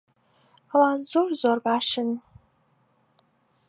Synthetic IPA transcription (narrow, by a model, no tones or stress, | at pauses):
awaːnzorzoːrbaːʃɨn